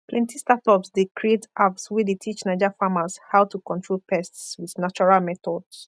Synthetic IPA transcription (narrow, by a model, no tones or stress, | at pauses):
pʰlɛ̃ntistatɔpsdekʰɹietapswidetʰit͡ʃnaɪd͡ʒafamashawtukɔ̃ntɹolpʰɛstswiðnat͡ʃɔɹalmɛθɔds